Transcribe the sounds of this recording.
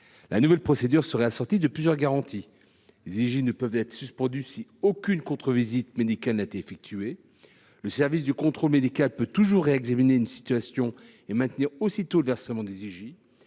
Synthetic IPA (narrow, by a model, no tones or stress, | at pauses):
lanuvɛlpχɔsed̪yʁsəʁɛasɔʁt̪id̪əplyzjœʁɡaʁɑ̃t̪ʰi | leziʒinəpœvt̪ɛt̪χə̥syspɑ̃d̪ysiokʲynkɔ̃t̪χəvizit̪med̪ikʲalnaet̪ɛefɛk̚t̪ʰye | ləsɛʁvis̬d̪əkɔ̃t̪χolmed̪ikalpøt̪uʒuʁːeɛɡzamineynsi̥t̪ɥasjɔ̃ | emɛ̃t̪niʁosit̪oləvɛʁsəmɑ̃d̪eziʒi